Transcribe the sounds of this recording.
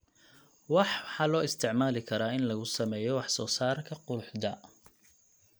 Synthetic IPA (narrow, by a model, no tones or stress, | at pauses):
wɑħħɑːlɔːɪst̪ʰɪʕmaːlɪkʰɐɾaːɪnlɐɣʊsɐmɛːjɔwɑħsɔːsaːrkʰɐqʊʊħd̪ɐ